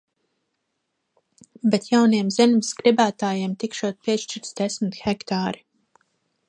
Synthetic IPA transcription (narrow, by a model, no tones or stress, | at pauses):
bɛt̪jawnijɛmz̥ʲɛnvisɡɾibæːt̪aːjɛɛmt̪ikʃuɔt̪̚pʲiɛʃt͡ʃiɾt̪sd̪ɛsmit̪xɛkt̪aːɾi